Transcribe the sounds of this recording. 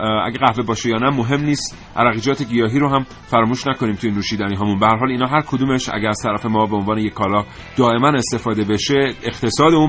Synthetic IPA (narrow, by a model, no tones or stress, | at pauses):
ʔæ̰ɟeɣæhve̞bɒːʃejɒːnæmoɦe̞mniːst̪ | ʔæ̰ɾæɣiːd͡ʒɒːt̪ʰe̞ɡijɒːɦiːɾoɦæm | fæɾɒːmuːʃnæko̞niːmt̪ujenuːʃiːd̪æniːɦɒːmunbehæɾɦɒːliːnɒːɦæɾkʰod̪uːme̞ʃʔæ̰ɟæɾæz̥t̪ʰæɾæfe̞mɒːbeonvɒːnejekʰːɒːlɒː | d̪̥ɒːe̞mæne̞st̪e̞fɒːd̪e̞be̞ʃeext̪ʰe̞sɒːd̪euːn